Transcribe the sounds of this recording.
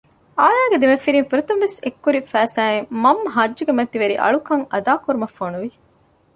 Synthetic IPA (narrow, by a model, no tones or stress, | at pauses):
aːjaːɡed̪imɐfːiɾinfiɾut̪ɐnʋesekːuɾifæːsæːeŋmɐmːɐɦɐd͡ʒd͡ʒuɡemɐt̪iʋɐɾḭʔɐ̰ɭukɐŋɐd̪aːkuɾumɐfːonuʋi